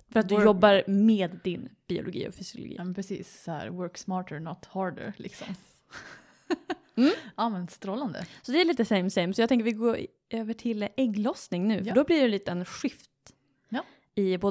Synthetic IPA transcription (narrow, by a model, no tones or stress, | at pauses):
fœɾat̪̚d̪ɵjɔbːaɾmeːd̪ːɪnb̥ɪʊ̰lʊ̰ɡḭːɔ̰fʏsɪʊlʊ̰ɡḭːɑmɛnpʰɾɛsḭːsːɔhæ̰ɾwœɾksmɑːʈɛnɔt̪hɑːɾɖə̰ɾlɪ̰ksɔ̰m | m̩ːɑːmɛnst̪ɾɔlːand̪ə̰sɔd̪ɛæɾɭiːt̪əsɛɪmsɛɪmsɔjɑɡt̪ʰɛŋkəɾvɪɡoːɾ | ʔøːvəʈʰɪlɛɡlɔsnɪŋnʉ̟ːfœɖɔbliːɖɛliːt̪əɛnɧɪft̪ | ɪboː